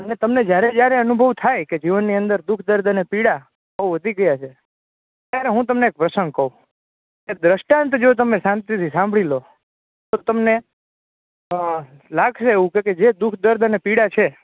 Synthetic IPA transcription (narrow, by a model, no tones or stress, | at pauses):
ənet̪əmned͡ʒjaɾed͡ʒjaɾeənubʱəʋt̪ʰajked͡ʒiʋənːiənd̪əɾd̪ukʰd̪əɾd̪ʱənepiɽa | əuʋəd̪ʱiɡəjat͡ʃʰe | t̪jaɾeɦũt̪əmneːk̚pɾəsəŋɡ̚kəũ | ked̪ɾəʃʈãnt̪d͡ʒot̪̬əmesãnt̪it̪ʰisãmbʱɭilo | t̪ot̪əmne | laɡʃeeʋũkeked͡ʒed̪ukʰd̪əɾd̪ʱənepiɽat͡ʃʰe